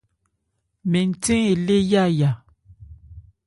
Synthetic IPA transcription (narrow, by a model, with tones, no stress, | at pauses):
mɛ˨n̩˨tẽ˦e˨le˦ja˦˨ja˨